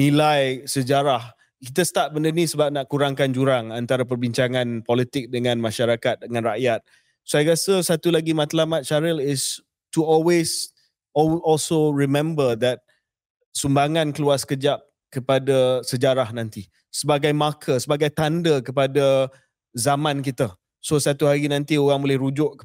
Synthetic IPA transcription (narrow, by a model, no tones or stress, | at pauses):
nĩlajsəd͡ʒaɾah | kit̪əst̪at̪̚bəndənisəbap̚naʔkuɾaŋkand͡ʒuɾaŋant̪aɾap̬ərbiɲt͡ʃaŋãnpɔlit̪ɪk̚dəŋãnmaʃaɾakat̪̚dəŋãnraʔjat̪̚ | sajaɡasəsat̪ulaɡimat̪lamat̪̚t͡ʃaɾilɪs | tuɔlwes | ɔlsoɹimɛ̃mbəd̪ɛt̪̚ | sumbaŋãnkəluaskəd͡ʒap̚ | kəpadasəd͡ʒaɾahnãnt̪i | səbaɡajmakʰəsəbaɡajt̪andəkəpada | zamãnkit̪ə | sosat̪uɦaɾinãnt̪ioɣaŋbolɛhɾud͡ʒʊʔ